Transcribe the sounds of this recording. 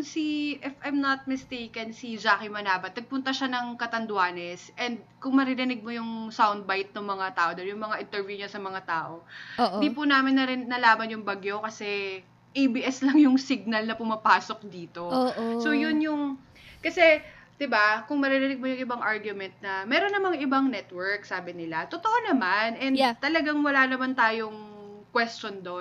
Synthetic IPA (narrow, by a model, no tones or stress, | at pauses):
siʔɪfajmnɐt̪̚mɪst̪ejkɐnsid͡ʒaːkimɐnaːbɐt̪̚nɐɡ̚pʊnt̪ɐʃanɐŋkɐt̪ɐnd̪ʊaːnɛsʔɛnd̪̚kʊŋmɐɾɪɾɪnɪɡ̚mo̞jʊŋsawnd̪̚bajt̪̚noŋmɐŋat̪aːʔod̪ɐnjʊŋmɐŋaʔɪnt̪ɛɹvjuɲɐsɐmɐŋat̪aːʔo̞ɪɪdd̪ip̬ʊnaːmɪnːɐɾɪnɐlaːmɐnjʊŋbɐɡjo̞kɐsɛ | ʔibiʔɛslɐŋjʊŋsɪɡ̚nɐlnɐpʊmɐpaːsok̚d̪iːt̪o̞osojʊnjʊŋ | kɐsɛd̪̥ɪbakʊŋmɐɾɪɾɪnɪɡ̚mojʊŋɪbaŋʔaɹɡjʊmɛnt̪̚nɐmɛːɾonːɐmɐŋʔɪbaŋnɛt̪wɛɹk̚saːbɪnɪlat̪ot̪oʔonɐmanʔɛnd̪t̪ɐlɐɡaŋwɐlaːnɐmant̪aːjoŋ | kwɛst͡ʃond̪o